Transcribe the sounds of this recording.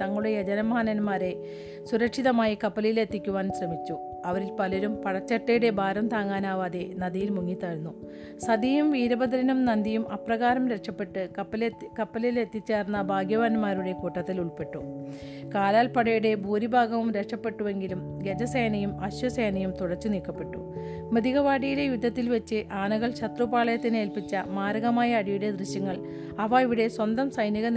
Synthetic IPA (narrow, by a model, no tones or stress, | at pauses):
t̪ɐŋːɐɭuɽe̞jɐd͡ʑɐnɐmɐaanɐnmaːɾe̞ | suɾɐkʂiðɐmaːjikɐpːɐlɐjile̞t̪ːikʲːuʋaːnsrɐmit͡ɕːu | ɐʋɐɾilpɐlɐɾumpɐɻɐt͡ɕːɐʈːɐjuɽe̞bʱaːɾɐmt̪aːŋːaːnaːʋaːðenɐðijilmuŋːit̪ːɐɻnːu | sɐd̪ijumʋiːɾɐbɐd̪ɐɾinumnɐnd̪ijumɐprɐɣaːɾɐmɾe̞kʂɐpːe̞ʈːɨɐpːɐlkɐpːɐlɐjile̞t̪ːit͡ɕːeːrnːɐbʱaːɡjɐʋanmaːɾuɽe̞kuːʈːɐt̪ːiluɭpe̞ʈːu | kaːlaːlpɐɽɐjuɽe̞bʱuːɾibʱaːɡɐʋumɾekʂɐpːe̞ʈːuʋe̞ŋɡilum | ɡed͡ʑɐsɐjɐnɐjumɐɕwɐsejnɐjumt̪uɽɐt͡ɕːɨniːkːɐpːe̞ʈːṵ | med̪iɣɐʋaːɽijilejud̪ʱːɐt̪ːilʋet͡ɕːɨʔaːɳɨɣɐɭɕɐt̪rupaːɭɐjɐt̪ːine̞ːlpit͡ɕːɐmaːɾɐɣɐmaːjɐːɽijuɽe̞d̪rɨɕjɐŋːɐɭ | ɐʋɐiʋiɽe̞swɐnd̪ɐmsɐjniɣɐn